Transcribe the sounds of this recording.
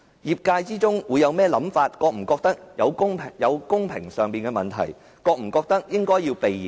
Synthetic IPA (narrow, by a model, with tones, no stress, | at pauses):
jiː˨p̚kaː˧jt͡siː˥t͡sʊ˥ŋwuː˨˧jɐ˨˧wmɛː˥lɐ˨˥mfaː˧t̚kɔː˧k̚m̩˨˩kɔː˧k̚t̪ɐ˥k̚jɐ˨˧wkʊ˥ŋʰ˨jɐ˨˧wkʊ˥ŋpʰɪ˨˩ŋsœː˨ŋpiː˨nkɛ˧mɐ˨nt̪ʰɐ̰˨˩j | kɔː˧k̚m̩˨˩kɔː˧k̚t̪ɐ˥k̚jɪ˥ŋkɔː˥jiː˧wpe˨j